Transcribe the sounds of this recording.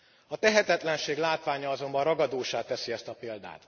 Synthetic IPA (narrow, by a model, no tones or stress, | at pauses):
ɒt̪ɛɦɛt̪ɛt̪lɛnʃeːɡlaːt̪ʋaːɲɒɒzo̞mbɒnrɒɡɒd̪oːʃaːt̪ːɛsiɛst̪ɒpeːld̪a̰ːt̪